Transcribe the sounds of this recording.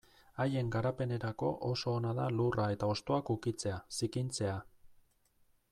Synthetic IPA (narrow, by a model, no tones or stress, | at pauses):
aje̞ŋɡaɾape̞ne̞ɾako̞ʔo̞so̞ːnaðalurʔae̞t̪ao̞st̪o̞akukit͡se̞asikint͡se̞a